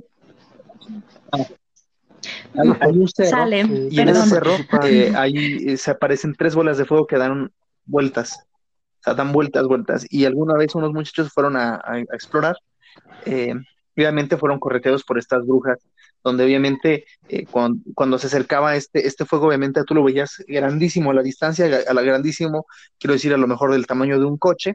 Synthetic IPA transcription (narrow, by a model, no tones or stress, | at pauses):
a | ajajunseroleienesese̞ro̞eajieseapaɾe̞se̞nt̪ɾe̞zβolazðe̞fwe̞ɣ̞o̞ke̞ðaɾo̞n | bwe̞lt̪as | oseaðambwe̞lt̪azβwe̞lt̪a̰sialɣunaβesuno̞zmut͡ʃḁt͡ʃo̞s̬fwe̞ɾo̞naa̰aeksplo̞ɾaɾ | e | oβjament̪e̞fwe̞ɾo̞ŋko̞ret̪eðo̞spo̞ɾe̞st̪azβɾuxas | ð̥o̞nd̪e̞oβjamẽ̞nt̪e̞ | ḛkwakwand̪o̞s̬e̞ase̞ɾkaβae̞st̪eʔest̪e̞fwe̞ɣooβjament̪eat̪ulo̞βe̞iaz̥ɡɾand̪isimoalaðist̪ans̬jaʔalaɣɾand̪isimo̞ | kjeɾoðes̬iɾalo̞me̞xo̞ɾðe̞lt̪amãɲo̞ðeuŋko̞t͡ʃe̞